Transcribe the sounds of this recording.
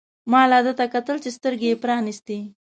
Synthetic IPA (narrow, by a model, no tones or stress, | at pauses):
mɑlɑd̪ət̪akat̪əlt͡ʃest̪əɾɡepɾɑnist̪e